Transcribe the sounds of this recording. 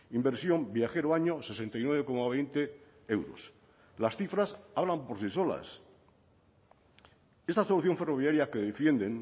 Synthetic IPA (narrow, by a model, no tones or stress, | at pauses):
imbe̞ɾsjo̞mbjaxe̞ɾoaɲo̞se̞se̞nt̪ajnweβe̞ko̞maβ̞e̞jnt̪e̞ | e̞wɾo̰s | lasθifɾasaβlampo̞ɾsiso̞la̰s | e̞st̪aso̞luθjo̞ɱfe̞ro̞β̞jaɾjakeðe̞fje̞nd̪e̞n